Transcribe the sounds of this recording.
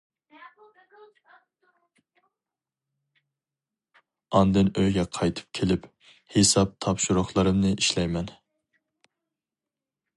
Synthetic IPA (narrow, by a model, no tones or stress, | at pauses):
ɑnd̪ɨnøjɡʲɛqʰɑjt̪ʰɨ̥p̚kʲʰelɪp | hesɑp̚t̪ʰɑpʃuɾʊχlˠɨɾɨmnɨʔiʃlɛjmɛn